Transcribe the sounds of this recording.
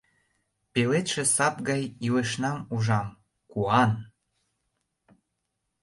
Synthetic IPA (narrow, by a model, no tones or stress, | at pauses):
pelet̪ʃĕsɑpɣɑjiweʃnɑmuʒɑm | kuɑn